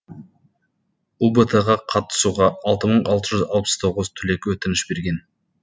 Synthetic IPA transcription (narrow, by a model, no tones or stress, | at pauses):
ubət̪ʰeʁɑqʰɑt̪ːə̥suʁɑɑlˠt̪əməɴɑlˠt̪əʒʏzɑ̰lˠpə̥st̪ʰo̞ʁəzt̪ʰʏle̞kwɵt̪ɪnɪʃbe̞ɾɡʲe̞n